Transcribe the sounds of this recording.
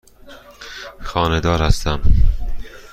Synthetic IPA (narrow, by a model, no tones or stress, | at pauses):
xɒːned̪ɒːɾhæst̪æm